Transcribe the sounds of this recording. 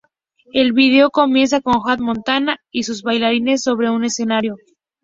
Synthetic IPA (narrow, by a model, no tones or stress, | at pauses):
e̞lβið̞e̞o̞ko̞mje̞ns̬ako̞ŋxwat̪mõ̞nt̪anaisuzβajlaɾine̞sːo̞β̞ɾe̞une̞se̞naɾjo̞